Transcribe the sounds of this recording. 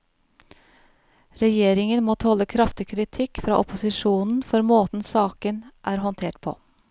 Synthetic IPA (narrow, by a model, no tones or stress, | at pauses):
ɾɛjeːɾɪŋənmoːt̪ʰɔləkʰɾɑft̪ɪkʰɾɪt̪ʰɪkfɾɑ̰ːʔʊpʊsɪʃuːnn̩fɔɾmoːt̪n̩sɑːkənʔæːɾhɔnt̪ʰeːʈpʰo̰ː